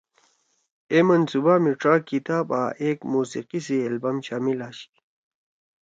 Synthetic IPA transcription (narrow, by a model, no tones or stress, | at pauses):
emɐnsubamiʈɾaːkit̪aːba̰ːʔeːkmuːsḭqis̬iɐlbamɕaːmilaːɕi̥